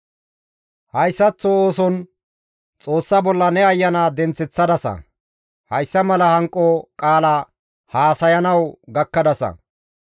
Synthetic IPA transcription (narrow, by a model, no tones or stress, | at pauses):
hɐjsːɐt͡sːɔoːsɔn | t͡sʼo̞ːsːɐbɔlːɐnɛɐjːɐnaːd̪ɛnt͡sːɛt͡sːɐd̪ɐsɐ̰ | hɐjsːɐmɐlɐhɐŋkʼːɔkʼaːlɐ | haːsɐjɐnɐwɡɐkːɐd̪ɐsɐ̰